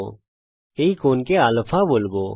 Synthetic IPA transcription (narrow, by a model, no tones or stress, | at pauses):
eikoːnkeaːləfʰaboːlboː